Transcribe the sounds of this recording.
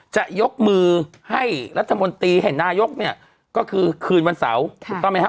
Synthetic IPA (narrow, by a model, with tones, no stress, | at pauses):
t͡ɕa˨˩ʔjo˦˥k̚mɯː˧ | ha˥˩jɾa˦˥t̪ʰːa˧mo˧nt̪iː˧ha˧˩naː˥˩jo˦˥k̚ni˥˩ɐ | kɔː˥˩kʰɯː˧kʰɯː˧nwa˧nsa̰˩˦wʰt̪ɔː˧˨ma˧˩˥